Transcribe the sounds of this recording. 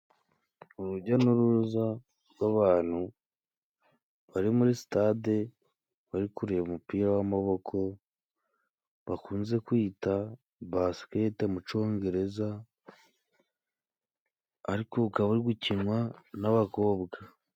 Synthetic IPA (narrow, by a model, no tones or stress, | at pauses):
uɾuɟanuɾuuza | ɾɡwaβaːn̥hu | βaɾimuɾisi̥tade | βaɾikuɾejβumupiːɾawamaβo̞kʰo̞ | βakuːnze̞kwiːta | basketemut͡ʃo̞ːŋɡe̞ɾe̞za | ɾikoukaβuɾiɡucinwanaβako̞ːbɡa